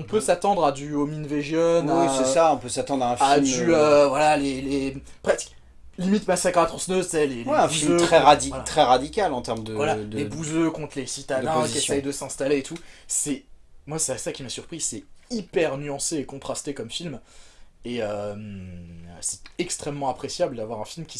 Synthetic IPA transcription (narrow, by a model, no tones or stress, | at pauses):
ɔ̃pøsat̪ɑ̃d̪ʁad̪yominveʒjɔnɛsɛsaɔ̃pøsat̪ɑ̃d̪ʁaɛ̃fad̪yøvwalalelepχɛk | limit̪masakχat̪χɔ̃snøzsɛlelwɛɛ̃fuiøχɛʁad̪ivaat̪χɛʁad̪ikʲalɑ̃t̪ɛʁmd̪əvwalad̪lebuzøkɔ̃t̪χlesit̪ad̪ɛ̃kesɛjd̪əsɛ̃st̪aleːt̪ʰusɛmwasɛasakʲimasyʁpχisɛipɛʁnyɑ̃seːkɔ̃t̪χast̪ekɔmfilm | eøm | sɛ̥t̪ɛkst̪χɛmːɑ̃apχesjabld̪avwaʁɛ̃filmkʲi̥